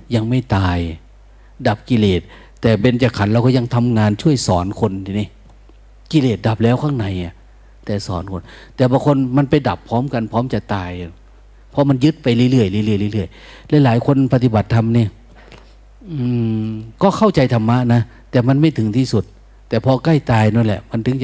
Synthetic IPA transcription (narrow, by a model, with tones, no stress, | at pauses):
ja˧ŋma˧˥˩jt̪aː˨j | da˨˩p̚ki˧˨leː˨˩t̪̚ː | ɛː˨˩pe˧nt͡ɕa˧˩kʰa˨˦nla˧wkɔː˧˩ja˧ŋt̪ʰa˧mŋaː˧nt͡ɕʰu˥˩əjsɔː˨˦nkʰo˧nt̪i˧˨ni˧˩˨ | ki˧leː˨˩t̪̚da˨˩p̚lɛː˧˥˩wkʰa˧˥˩ŋna˨˩˦jʔa˨˩ | t̪ɛː˨˩sɔ̰ː˨˩˦nkʰo˧nt̪ɛː˨˩bɔː˧kʰo˧˥nma˧˥˨npa˧˩jda˨˩pʰːɔː˧˦˥mka˧npʰɔː˧˦˥mt͡ɕa˧˩t̪aː˨ja˨˩ | pʰɔ˧˦ma˧˥njɯ˧˥t̪̚pa˨˧jlɯ˧˨lɯ˧˥˩əjljlɯ˧˩ə˨jlɯ˧˦lɯ˧˩əjlɛ˧˥˨jlaː˨˦jkʰo˧npa˧t̪i˧ba˨˩t̪ʰːa˧mniː˧˩˨ | ʔɯː˧kɔː˧˥˨kʰa˧˥˩wt͡ɕa˨˧jt̪ʰa˧mːa˧˥na˧˥ | t̪ɛː˨˩ma˧˥nma˧˥˩jt̪ʰɯ˨˦ŋt̪ʰiː˧˩su˧˩t̪̚ː | ɛː˨˩pʰɔ˧ka˧˥˩jt̪aː˨jnɔ˧˥˨nlɛ̰˧˨ʔma˧nt̪ʰɯ˨˦ŋ˧